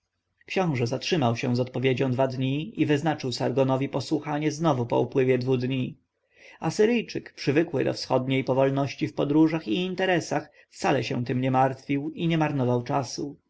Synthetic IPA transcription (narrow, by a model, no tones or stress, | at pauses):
kɕɔ̃w̃ʐɛzatʂɘmawɕɛ̃zɔt̪̚pɔvʲjed͡ʑɔ̃w̃d̪vad̪ɲiivɘznat͡ʂɘwsaɾɡɔnɔvʲipɔswuxaɲɛznɔvupɔ̰upwɘvʲjɛd̪vud̪ɲi | asɘɾɘjt͡ʂɘkpʂɘvɘkwɘ̰d̪ɔ̰fsxɔd̪ɲejpɔvɔlnɔɕt͡ɕifpɔd̪ɾuʐaxiːnt̪ɛɾɛsax | ft̪salɛɕɛ̰̃t̪ɘmɲɛmaɾt̪fʲiwiɲɛmaɾnɔvawt͡ʂasu